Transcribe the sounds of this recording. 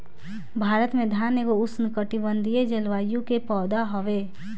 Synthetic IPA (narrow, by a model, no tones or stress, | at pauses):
bʱaːɾət̪mẽd̪ʱaːnekoʊsnɪkəʈibə̃nd̪ʱijed͡ʒəlʋaːjõkepɔːd̪aɦɔʋeː